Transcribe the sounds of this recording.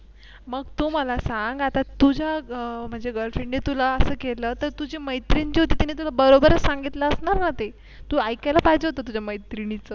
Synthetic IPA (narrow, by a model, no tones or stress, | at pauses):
məɡt̪uməlasãŋɡat̪at̪ud͡ʑʱam̤əɳd͡zeɡəɾfeɳnet̪ulaəsəːkeləːt̪əɾt̪ud͡ʑiməjt̪ɾiɲt͡ɕiɦot̪iːt̪init̪ulabəɾobəɾət͡ssãŋɡit̪ləːsɳaɾnat̪e | t̪uːajkalapaid͡ʑəɦot̪əːt̪ud͡ʑaməjt̪ɾiñit͡səː